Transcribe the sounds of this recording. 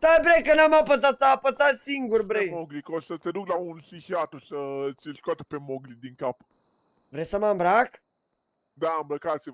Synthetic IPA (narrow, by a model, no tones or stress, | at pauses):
t̪abɾejkənamapət̪̬at̪sapəsat̪siŋɡurbɾejmoɡlikosət̪ed̪uklaunsixiat̪osət͡ʃilskoat̪ə̥pemoɡlid̪iŋkap | vɾejsəmambɾak | d̪ambɾəkat̪siv